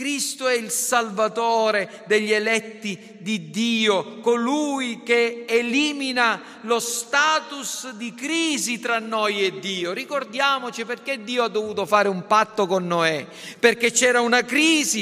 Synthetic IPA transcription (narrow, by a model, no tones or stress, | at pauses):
kɾist̪oɛilsalvat̪ɔːɾe | d̪eʎːelɛt̪ːi | d̪id̪iːokolujk̟eːliːmina | lost̪aːt̪usd̪ikɾiːzit̪ɾanːɔjed̪ːiːorikord̪jaːmot͡ʃiperk̟ed̪ːiːoad̪ːovuːt̪ofaːɾeumpat̪ːokonːoɛ | perket͡ʃːɛːɾaunakɾiːzi